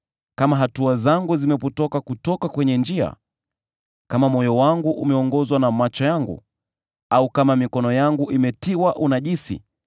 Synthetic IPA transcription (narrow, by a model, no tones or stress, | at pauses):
kamaɦatuazaŋɡuzimɛputɔkakutɔkakwɛɲɛnd͡ʒia̰ | kamamɔjɔwaŋɡuʔumɛɔŋɡɔzwanamat͡ʃɔjaŋɡṵ | aukamamikɔnɔjaŋɡuʔimɛtiwaʔunaʄisḭ